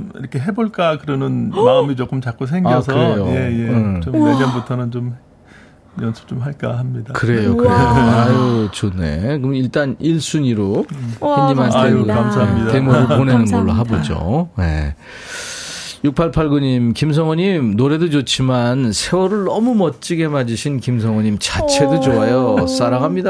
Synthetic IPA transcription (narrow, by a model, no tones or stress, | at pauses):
ḭɾʌkʰeɦe̞boɭk͈akɯɾʌnɯnmaɯmit͡ɕok͈ɯmt͡ɕak͈os̬ʰeŋɡaʌs̬ʰɯɾejojejeɯt͡ɕoeɲʌnbutʰʌnɯnt͡ɕom | jʌnsʰɯ̥p̚t͡ɕ͈omɦaɭk͈ahamɲidakɯɾe̞jokɯɾejoajot͡ɕʰonḛkɯmiɭt͈aniɭs͈uɲiɾokɯɲimɦaneamsaitemuɾoponenɯnɡʌɭːo̰ɦabod͡ʑo̰ne̞̰ | juk̚pʰaɭpʰaɭɡuɲimkims̬ʰʌŋwʌɲimnoɾe̞dod͡ʑot͡ɕʰimansʰe̞wʌɾɯɭnʌmumʌt͡ɕ͈iɡe̞mad͡ʑiɕʰinkimsʰʌŋwʌɲimt͡ɕat͡ɕʰe̞dod͡ʑoajʌs͈aɾaɡɦamɲida